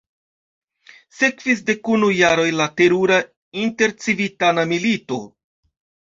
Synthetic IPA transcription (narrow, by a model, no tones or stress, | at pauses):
se̞kv̥is̬de̞kunujːaɾo̞jlate̞ɾuɾa | inte̞ɾt͡sivitanamilito̞̰